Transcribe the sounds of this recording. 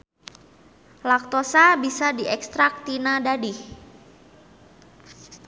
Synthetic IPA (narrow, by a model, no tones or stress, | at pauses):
lak̚t̪osabisadiɛkst̪ɾak̚t̪inadadɪh